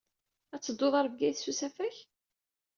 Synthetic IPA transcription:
æt͡sːəd̪ːoðˤɑɾˤvɡæθsusæfæç

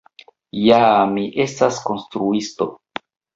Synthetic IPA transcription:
jamiʔe̞stasko̞nstɾuisto̞

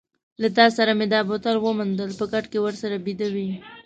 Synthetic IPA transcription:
lat̪ɑsaɾamed̪ɑbot̪alwəmand̪əlpəɡaʈkewəɾsaɾabid̪awi

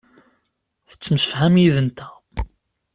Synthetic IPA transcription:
θə̥t͡sːməsə̥fhæmjiðənt̪æ̥

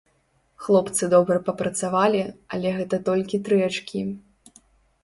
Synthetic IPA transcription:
xlˠɔpt̪sɨd̪ɔbɾɐpɐpɾɐt̪savalʲiɐlʲɛɣɛt̪ɐt̪ɔlʲkʲit̪ɾɛt͡ʂkʲi

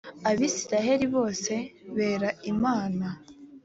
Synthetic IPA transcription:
aβisiɾaɦe̞ɾiβo̞ːse̞βe̞ːɾaimaːna

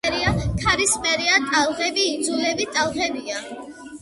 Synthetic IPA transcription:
ɾiakʰaɾismɛɾiat̪ʼalˠʁɛbiːd̪zulɛbit̪ʼalˠʁɛbia

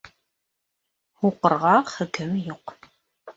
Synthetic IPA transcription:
uqərʁɑχəkʰɨmjuq

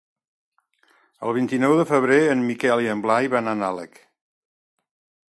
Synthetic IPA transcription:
ə̰lˠβ̞int̪inɔwðəfəβ̞ɾeənmikɛliəmblajβananalə̰k

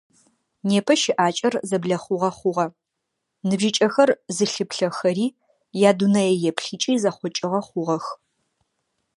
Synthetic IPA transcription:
neːpʰɐʃɪʔaːt͡ʃʼɐrzɐbɮɐχʷʊʁɐχʷʊʁɐ | nɨbʒit͡ʃʼɐxɐrzɨɬɨpɬɐxɐɾiː | jaːdunɐjɛjɛpʰɬiːt͡ʃʼiːzɐχʷɔt͡ʃʼɪʁɐχʷʊʁɐx

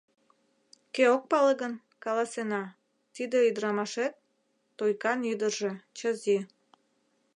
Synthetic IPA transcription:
keok̚pɑləɣən | kɑlɑsenɑ | t̪id̪eyd̪əɾɑmɑʃet̪̚ː | ojkɑnyd̪ərʒe̽t͡ɕəzi

